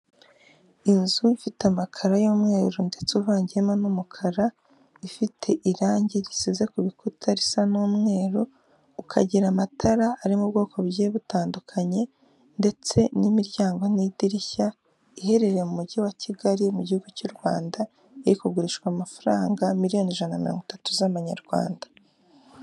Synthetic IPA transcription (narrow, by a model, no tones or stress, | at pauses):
inzuifitamakʰaɾajoːmŋe̞ːɾonde̞t͡suβaːɲɟiemonumukʰaɾa | ifitʰe̞ʔiɾaːɲɟiɾisize̞kuβikutʰaɾisanuːmŋe̞ːɾoː | kʰa̰ɟiɾamatʰaɾaːɾimub̚ɡo̞ːkʰo̞βjeːβutaːndukʰaɲe̞ | nde̞t͡se̞nimiɾjaːŋɡo̞nidiɾiça | ihe̞ɾe̞ɾemumuɟiwaciɡaɾimuɟihuɡucuɾɡwa̰ːnda | eɾikuɡuɾiʃkwamafaɾaːŋɡamiɾijo̞neʒanamiɾoːŋɡitatuzaβaɲa̰ɾɡ̥wa̰ːndḁ